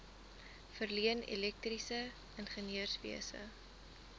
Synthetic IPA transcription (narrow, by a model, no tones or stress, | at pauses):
fərliənḭlɛk̚trisə | ənχənøərsvḭəsə̰